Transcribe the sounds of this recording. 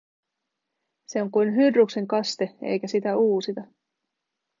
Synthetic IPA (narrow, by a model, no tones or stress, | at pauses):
se̞o̞ŋkujnɦyrːukse̞ŋkɑst̪e̞ḛjkæsit̪æuːsit̪ɑ